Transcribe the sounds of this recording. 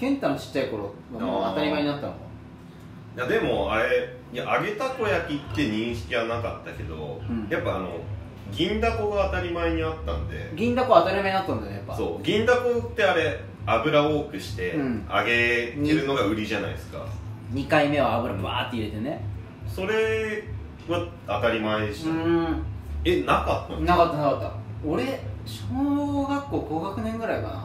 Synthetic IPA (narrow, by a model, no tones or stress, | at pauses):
kẽ̞nt̪ãnt͡ɕi̥t͡ɕːaiko̞ɾo | ɡamoat̪aɾʲimaeɲ̟inat̪ːanoɡa | jad̪e̞mo̞aɾe̞ | jaʔaɡe̞t̪ako̞jakʲit̪ːe̞ɲ̟ĩɰ̃ɕi̥kʲiβanakat̪ːake̞d̪õ̞̰japːaːno̞̰ | ɡʲĩnd̪ako̞ɡaːt̪aɾʲimaeɲ̟iat̪ːã̰nd̪e̞̰ɡʲĩnd̪akoat̪aɾʲimaɲinat̪ːãnd̪aejapːaso̞̰ːɡʲĩnd̪ako̞t̪ːe̞aɾe̞ | abɯ̟ɾaoːkɯ̟ɕi̥t̪e̞ɯ̟̃ɴaɡe̞eɾɯ̟no̞ɡaɯ̟ɾʲiʑana̰iesɨ̥ka̰ɲ̟ikaime̞β̞aːbɯ̟ɾabβa̰ːt̪ːeiɾe̞t̪e̞ne | so̞ɾe̞ | βa | at̪aɾʲimaeɕi̥ɯ̃ | enakat̪ːãnakat̪ːanakat̪ːa̰oɾe̞ɕoːɡakːo̞ːɡo̞ːɡakɯ̟nẽ̞ŋɡɯ̟ɾaikana̰